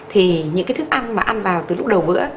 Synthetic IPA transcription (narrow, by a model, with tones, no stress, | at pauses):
t̪ʰi˨˩ɲɨ̰˧˥ŋkaː˨˦t̪ʰɨ˦˥kʔa˧nmaː˨˩ʔa˧nvaː˨˩wt̪ɨ˨˩lʊ˦˥k͡p̚ɗə˨˩wvɨ̰˧˥ə